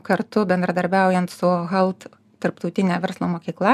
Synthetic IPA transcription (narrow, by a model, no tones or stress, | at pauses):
kɐɾt̪ʊbʲɛnd̪ɾɐd̪ɐɾʲbʲæˑʊjɛnt̪sʊɣɐlˠt̪ | t̪ɐɾpt̪ɔʊt̪ʲɪnʲæːʋʲɛɾslˠoːmoːkʲiːklˠɐ